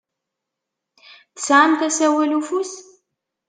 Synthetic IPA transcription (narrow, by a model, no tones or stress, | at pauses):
θə̥sʕamt̪æsæwælufus